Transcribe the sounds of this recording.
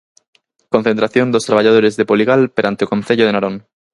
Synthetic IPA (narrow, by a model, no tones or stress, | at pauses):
kon̟θent̪ɾaθjond̪ost̪ɾaβaʎaðoɾezðepoliɣalpeɾant̪eokõnθeʎoð̞enaɾoŋ